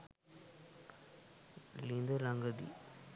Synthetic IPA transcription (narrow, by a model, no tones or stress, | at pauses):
lind̪olaŋɡəd̪ḭ